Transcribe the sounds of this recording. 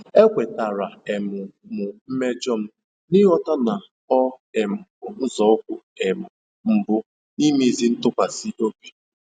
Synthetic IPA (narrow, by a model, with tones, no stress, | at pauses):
e˦kʷe˨ta˨ɾa˨e˨mʊ˨mʊ˨m̩˦me˦d͡ʒɔ˦m̩˦ | nɪ˦ɦɔ˦ta˦na˨ | ɔ˦e˨mʊ˨ʊ˨n̩˦zɔ˦ʊ˦kʷʊ˨e˨mʊ˨ | m̩˨bʊ˦ | ni˦mi˦˨zi˦n̩˦tʊ˦kʷa˨si˦o˦be˨